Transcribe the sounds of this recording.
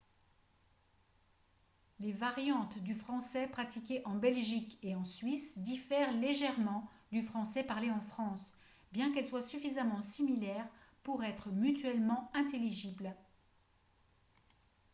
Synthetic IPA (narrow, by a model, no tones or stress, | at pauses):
levaʁjɑ̃t̪d̪yfχɑ̃sɛpχat̪ikʲeʔɑ̃bɛlʒikeɑ̃sɥisd̪ifɛʁleʒɛʁmɑ̃ | d̪yfχɑ̃sɛpaʁleɑ̃fχɑ̃s | bjɛ̃kɛlswasyfizamɑ̃similɛʁpuʁɛt̪χəmyt̪ɥɛlmɑ̃ɛ̃t̪eliʒibl